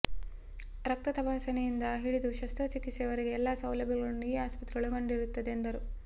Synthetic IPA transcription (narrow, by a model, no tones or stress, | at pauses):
ɾɐk̚t̪ɐt̪ɐpaːsɐnejind̪ɐɦiɽid̪uʃɐst̪ɐt͡ʃikːisɛʋɐɾeɡeːlːaːsɐwlɐbʱjɐɡɐɭɐnuiːaːspɐt̪ɾiɡɐɭuɡoɳɖiɾut̪ːɐd̪eːnd̪ɐɾu